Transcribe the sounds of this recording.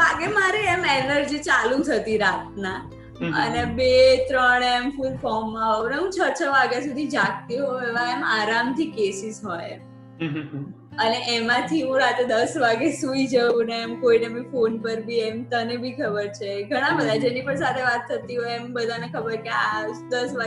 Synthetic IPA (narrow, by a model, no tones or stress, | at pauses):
aɡemaɾeɛmɛləɾd͡ʒet͡ʃalũt̪ʰət̪iɾat̪̚na | ə̰nebet̪ɾəɽemfunfɔmːãɦoʋneɦũt͡ʃʰət͡ʃʰəʋaɡjasud̪ʱid͡ʒak̚t̪iɦoeʋãemaɾamt̪ʰikesisɦoj | əneʔemãt̪ʰiɦũɾat̪ɾed̪əsʋaɡesuid͡ʒəʋũneːmkoinemifonpəɾbʱiɛmt̪ənebʱikʰəbəɾt͡ʃʰeɡʱəɽ̃ãbəd̪ʱad͡ʒenipəɳsat̪ʰeʋat̪ʰːət̪iɦɔjembəd̪ʱanekʰəbəɾkead̪əsʋa